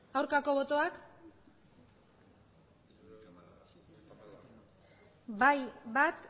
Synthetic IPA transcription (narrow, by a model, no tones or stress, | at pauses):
awɾkako̞βo̞t̪o̞ak | bajbat̪